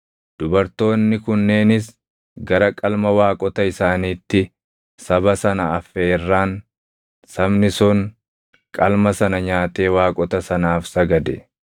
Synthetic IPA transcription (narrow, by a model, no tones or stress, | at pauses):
d̪̥ʊbɐɾt̪o̞ːnːɪkʊnːe̞ːnɪs̬ | ɡɐɾɐkʼɐlmɐwaːkʼɔt̪ɐɪsaːniːt̪ːɪ | sɐbɐsɐnɐːfːeɪrːaːn | sɐbnɪsʊŋ | kʼɐlmɐsɐnɐɲaːt̪e̞ːwaːkʼɔt̪ɐsɐnaːfsɐɡɐd̪ɛ